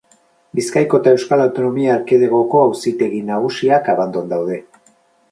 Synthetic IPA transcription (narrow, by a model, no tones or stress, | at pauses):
biskajko̞t̪ae̞wskalawt̪o̞no̞miaːɾkeð̞eɣ̞o̞ko̞awsit̪e̞ɣinaɣ̞usiakaβand̪o̞nd̪awð̞e̞